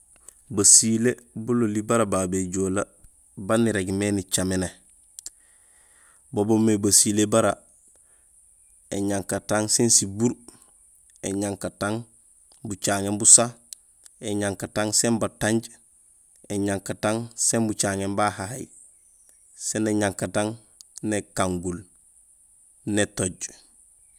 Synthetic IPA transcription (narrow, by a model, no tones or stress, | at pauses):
basilebulolibaɾabaːbeɟoːla | baniɾeɡmenit͡ʃamene | bobomebasilebaɾa | eɲaŋkataŋsensibuɾ | ḛɲaŋkataŋ | but͡ʃaːŋembusa | eɲaŋkataŋsembataɲɟ | eɲaŋkataŋsembut͡ʃaːŋembahaha̰j | seneɲaŋkataŋ | nekaŋɡul | netoɟ